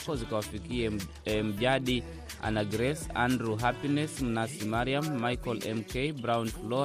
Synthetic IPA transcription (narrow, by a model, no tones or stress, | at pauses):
kɔzikawafikiɛ | m̩ʄaɗi | a̰naɡɾɛsa̰ndɾuɦapinɛsm̩nasimaɾiamːajkɔlɛ̰mkɛjbɾawnflɔ